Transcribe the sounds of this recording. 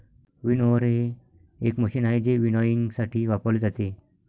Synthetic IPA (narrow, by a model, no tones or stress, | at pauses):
ʋinɔɾe | ekməɕinaɦed͡ʑeʋinɔjiŋɡsaʈʰiːʋapəled͡zat̪e